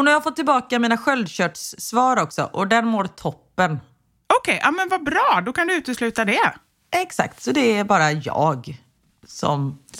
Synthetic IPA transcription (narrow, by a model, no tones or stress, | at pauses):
næɾjːhaɾfɔt̪ːɪlbɑːkamiːnaɧœld̪ɕœːʈsːvɑːɾɔksɔ̰ʔɔd̪ɛɾmoːɾt̪ʰɔpːən | ɔkʰɛjʔaːmɛnvabɾɑːd̪ɔkʰand̪ɵʉ̟ːt̪əslʉ̟ːt̪ad̪ɛ | ʔɛksa̰kt̪sɔd̪ɛæɾbɑːɾajɑ̰ːɡ | sɔ̰m